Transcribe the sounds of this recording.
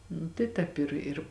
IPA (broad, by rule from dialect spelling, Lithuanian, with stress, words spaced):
ˈnʊ tɐɪ ˈtʲɛːp ɪr ɪr